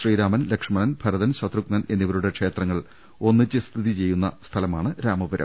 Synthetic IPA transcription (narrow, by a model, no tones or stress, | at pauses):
riːɾaːmɐnlekʂɐmɐnɐnb̥ʱɐɾɐðɐnɕɐt̪ruknɐne̞nːiʋɐɾuɽe̞kʂe̞ːt̪rɐŋːɐɭ | o̞nːit͡ɕːɨst̪ʰiðit͡ɕe̞jːunːɐst̪ʰɐlɐmaːɳɨɾaːmɐbɐɾɐ̰m